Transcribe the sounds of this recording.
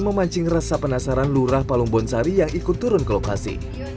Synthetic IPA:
məmaɲt͡ʃɪŋrasapənasaɾanluɾahpaluŋbɔnsaɾijaŋikʊt̪ːuɾʊnkəlokasḭ

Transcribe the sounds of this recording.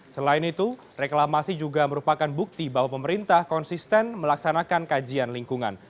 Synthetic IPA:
səlaɪnit̪u | reklamasid͡ʒuɡaməɾupakanbuk̚t̪ibaɦwapəməɾint̪ahkɔnsist̪ɛnməlaksanakankad͡ʒianliŋkuŋa̰n

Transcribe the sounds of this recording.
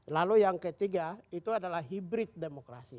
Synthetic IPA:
lalujaŋkət̪iɡait̪uadalaɦibɾit̪̚demokɾa̰si

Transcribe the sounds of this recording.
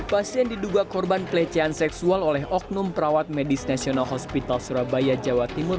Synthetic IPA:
pasiɛndiduɡakɔrbanpəlɛt͡ʃɛansɛksualolɛɦʔɔk̚numpəɾawat̪̚mɛdisnasionalɦɔspit̪alsuɾabajad͡ʒawat̪imʊr

